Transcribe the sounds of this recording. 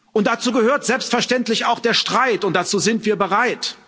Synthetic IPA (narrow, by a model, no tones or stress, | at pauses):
ʔʊnt̚d̥at͡suːɡəhøːɐtz̥ɛlpstfɛɐʃtɛntlɪçaʊxd̥eːɐʃtʁ̥aɪtʊnt̚d̥at͡suːzɪntv̥iːɐbəʁaɪt